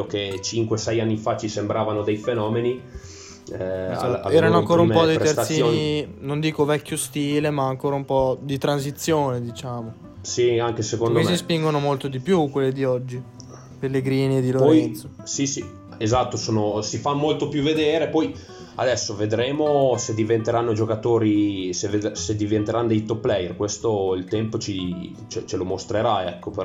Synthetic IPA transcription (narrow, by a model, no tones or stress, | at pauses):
oket͡ʃiŋkwesɛjanːifat͡ʃisembɾaːvanod̪ejfenɔːmeni | aa̰ɛːɾannoaŋŋkoːɾaumpɔd̪iɾrt̪ssijoninond̪iːkovɛkʲːjost̪iːlemaːŋkoːɾaumpɔd̪it̪ɾans̬it̪sːjoːned̪it͡ʃaːmo | siaŋkesekond̪osispiŋɡonomolt̪od̪ipjukwelːed̪iɔd͡ʒːi | pelːeɡɾiːnid̪ilopɔɾjɛnosisi | ezat̪ːosoːnosifamolt̪opjuved̪eːɾepɔj | a̰d̪ɛsːoved̪ɾeːmosed̪ivent̪eɾanːod͡ʒokat̪oːɾiseved̪sed̪ivent̪eɾanːod̪ɛjt̪opːlɛjerkwest̪oilt̪ɛmpot͡ʃi | t͡ʃɛt͡ʃelomost̪ɾeɾaɛkːope